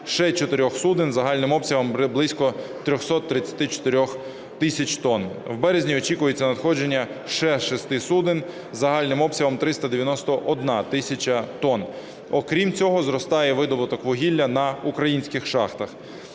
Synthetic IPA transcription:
ʃɛt͡ʃɔt̪ɪɾʲɔxsud̪ɪnzɐɦɑlʲnɪmɔpsʲɐɦɔmblˠɪsʲkɔt̪ɾʲɔxsɔt̪ːɾɪt͡sʲːɐ̥t̪ɪt͡ʃɔ̥t̪eɾʲɔx | t̪ɪsʲɐt͡ʃt̪ɔnwbɛɾezʲnʲiɔt͡ʃikʊjet͡sʲːɐnɐd̪xɔd͡ʒe̞nʲːɐ | ʃɛʃɛst̪ɪsud̪ɪn | zɐɦɑlʲnɪmɔpsʲɐɦɔmt̪ɾɪst̪ɐd̪eʋʲjɐnɔst̪ɔʔɔd̪nɑt̪ɪsʲɐt͡ʃɐt̪ɔn | ɔkɾʲimt͡sʲɔɦɔzɾɔst̪ɑjɛʋɪd̪ɔbʊt̪ɔkʋɔɦʲilʲːɐnɐukɾɐjinʲsʲkɪxʃɑxt̪ɐx

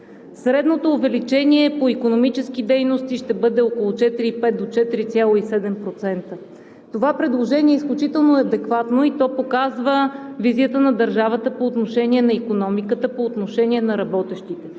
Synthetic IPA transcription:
sɾɛd̪not̪oːvɛlit͡ʃɛniɛpoikonomit͡ʃɛskid̪ɛjnost̪iʃt̪ɛbɤd̪ɛɔkolˠot͡ʃɛt̪iɾiipɛt̪̚d̪ot͡ʃɛt̪iɾit̪sʲjalˠoisɛd̪ɛmpɾot̪sɛnt̪ə | t̪ovapɾɛd̪lˠoʒɛniɛisklʲut͡ʃit̪ɛlˠnoɛɐd̪ɛkvat̪noit̪ɔpokazvəviziət̪ənɐd̪əɾʒavət̪əpoːt̪noʃɛnʲiɛnɐikonɔmikət̪əpoːt̪noʃɛnʲiɛnɐɾɐbɔt̪ɛʃt̪it̪ɛ

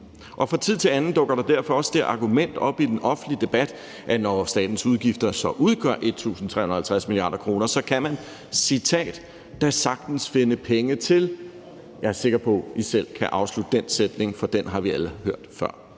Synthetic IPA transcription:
ʔɒ̽fʁɑ̈t͡sʰið̞̰ˠt͡sʰe̝lænn̩d̥ɔ̽ɡ̥ɐɾ̥ɑ̈d̥æɐ̰fɒ̽ɒ̽sd̥eɐʔɑ̈ɡ̥umen̰d̥ɒ̽b̥id̥enʔɒ̽fn̩lid̥e̝b̥æd̥ | ʔænɒsd̥ɛ̰ːd̥n̩suð̞ˠɡ̥ifd̥ɐsɒ̽ʔuð̞ˠɡ̥ɶɐ̰ʔe̝d̥̚t͡sʰṵːsn̩t͡sʰʁɛ̰ːhunɐhælt͡sʰʁæsmiliɑ̰̈ːdɾɐkʰʁo̝ːnɐsɒ̽kʰæmæn | sit͡sʰɛ̰ːd̥ː | æsɑ̈ɡ̥d̥n̩sfe̝nəpʰeŋət͡sʰe̝l | jɑ̈æɐse̝ɡ̥ɐpʰɒ̽isel̰kʰæʔɑ̈ʊslud̥d̥ensed̥ne̝ŋfɒ̽d̥enɦɑ̈ʋiæləhøɐ̰d̥fɶɐ̰

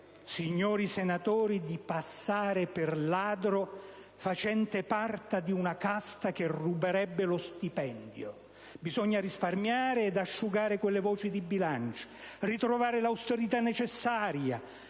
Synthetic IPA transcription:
siɲːɔːɾisenat̪ɔːɾid̪ipasːaːɾɪpɪrlaːd̪ɾo | fat͡ʃɛnt̪ɪpart̪ad̪iunakast̪ak̟erubeɾɛbːelost̪ipɛnd̪jo̰ | bizɔɲːaɾisparmjaːɾɪɛd̪aʃːuɡaːɾɪkwelːevɔːt͡ʃid̪ibːilant͡ʃo̥rit̪ɾovaːɾɪlawst̪eɾit̪anːet͡ʃɛsːaːɾja

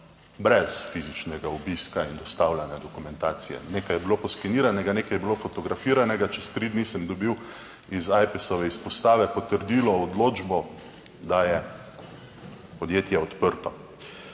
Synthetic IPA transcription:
bɾɛsfizit͡ʃnɛɡaubiskaind̪ɔst̪awlanɛd̪ɔkumɛnt̪aːt̪sijɛ̰nekajɛbilopɔskiniːɾanɛɡanekajɛbilofɔt̪ɔɡɾafiːɾanɛɡat͡ʃɛst̪ɾid̪nisɛmd̪ɔbiw | izajpɛsɔʋɛispɔst̪aːʋɛpɔt̪əɾd̪iːlɔɔd̪lod͡ʒbɔ | d̪ajɛ | pɔd̪jeːt̪jɛɔt̪pəɾt̪ɔ

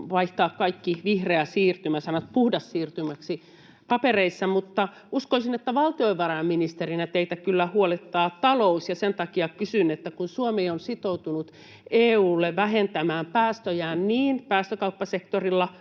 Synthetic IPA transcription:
ʋɑiht̪ɑːkkɑikːiʋihreæsiːrt̪ymæsɑnɑt̪puhdɑsːiːrt̪ymæksi | pɑpereisːɑmut̪ːɑ | uskoisinet̪ːæʋɑlt̪ioiʋʋɑrɑjɑmminist̪erinæt̪eit̪ækylːæhuolet̪ːɑːt̪ɑlousjɑsent̪ɑkiɑkysynet̪ːækunsuomeːonsit̪out̪unut̪ | eːuːlːeʋʋæɦent̪æmæːmpæːst̪øjæːnniːnpæːst̪økɑupːɑsekt̪orilːɑ

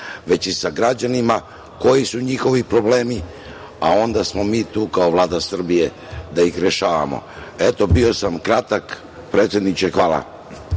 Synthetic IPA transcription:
ʋe̞t͡ɕisaɡɾad͡ʑanima | ko̞jisuɲixo̞ʋipɾo̞ble̞ːmi | ao̞nd̪asmo̞miːt̪uːkao̞ʋlˠaːd̪asr̩bije̞ | d̪aixɾeʃaːʋa̰mo̰et̪o̞bio̞samkɾat̪ak | pɾet̪sje̞d̪nit͡ʃexʋaːla̰

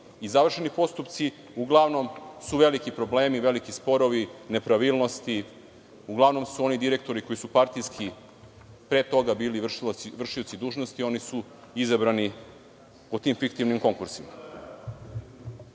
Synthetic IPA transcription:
izaʋr̩ʃe̞nipo̞st̪upt̪si | uɡlˠaʋno̞msuʋe̞likipɾo̞ble̞ːmiʋe̞likispo̞ɾo̞ʋine̞pɾaʋilˠno̞st̪i | uɡlˠaʋno̞msuo̞nid̪iɾe̞k̚t̪o̞ɾiko̞jisupaɾt̪ijskʰi | pɾe̞t̪o̞ɡabiːliʋr̩ʂiot̪sid̪uːʒnost̪io̞nisu | izabɾani | pot̪imfikt̪iʋnimko̞ŋkuɾsima

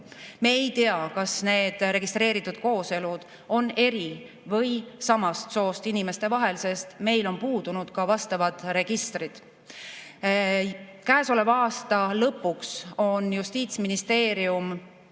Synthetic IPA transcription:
meejt̪eɑkɑsne̞ːd̪̥ɾe̞ɡ̥ist̪ɾe̞ːɾit̪ːˑud̪̥̚ko̞ːse̞lud̪̥ | o̞ne̞ɾi | vɤ̞jsɑmɑst̪so̞ːst̪inime̞st̪e̞vɑɦe̞lse̞st̪me̞jlo̞npuːd̪̥unud̪̥kɑvɑst̪ɑvɑd̪̥re̞ɡ̥ist̪rid̪̥ | kæeso̞le̞vɑːst̪ɑlɤpːˑukso̞njust̪iːt̪sminist̪e̞ːɾium

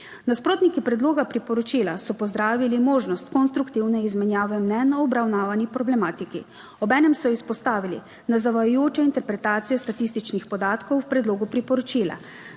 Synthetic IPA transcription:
naspɾoːt̪nikipɾɛd̪loːɡapɾipɔɾɔt͡ʃilasɔpɔzd̪ɾaːʋilimoːʒnɔst̪kɔnst̪ɾukt̪iwnɛizmɛnjaːʋɛmnɛnɔbɾawnaːʋanipɾɔblɛmaːt̪ikḭ | ɔbɛːnɛmsɔispɔst̪aːʋilḭ | nazaʋajʊjoːt͡ʃɛint̪ɛɾpɾɛt̪aːt̪sijɛst̪at̪ist̪it͡ʃnixpɔd̪aːt̪kɔwwpɾɛd̪loːɡupɾipɔɾɔt͡ʃila̰

